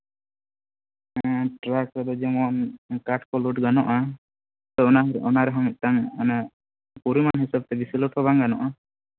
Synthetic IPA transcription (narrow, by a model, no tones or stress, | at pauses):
ʈɾakɾad̪ɔd͡ʒɛmɔnkaʈkɔluʈɡanɔʔa | t̪ɔɔnaɦɾɛʔɔnaɾɛɦɔmit̪̚ˀt̪aŋana | puɾimanɦisab̚t̪ɛbisilɔʈʰɔbaŋɡanɔʔa